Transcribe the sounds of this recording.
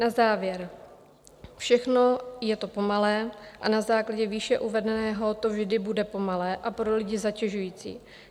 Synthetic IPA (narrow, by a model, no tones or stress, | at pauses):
nazaːvjɛɾ | fʃɛxno̞jɛt̪o̞po̞malɛːʔanazaːklaɟɛviːʃɛʔuvɛdɛnɛːɦo̞t̪o̞vʒdɪbudɛpo̞malɛːʔapɾo̞lɪɟɪzacɛʒujiːt͡sḭː